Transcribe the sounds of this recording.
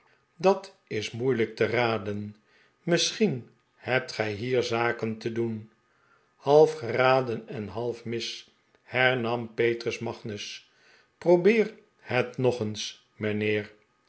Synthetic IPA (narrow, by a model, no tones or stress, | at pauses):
dɑt | ɪsmujlək̚təraːdən | məsχin | hɛp̚tχɛjɦiːɹzaːkəntədun | hɑlˠfχəraːdənɛnɦɑlˠfmɪs | hɛɹnɑmpejtrəsmɑχnəs | prowbɪːr | hɛtnɔχəns | mənɪːɹ